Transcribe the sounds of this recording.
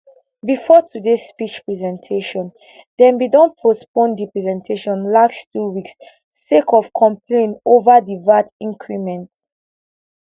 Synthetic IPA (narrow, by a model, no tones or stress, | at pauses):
bifɔtʰudespit͡ʃpɹɛzɛ̃ntʰeʃɔ̃n | d̥ɛ̃nbidɔ̃npʰospõndipɹɛzɛ̃ntʰeʃɔ̃nlaksttuwiks | sekʰɔv̥kʰɔ̃mpʰlẽnovadivatĩŋkʰɹimɛ̃nt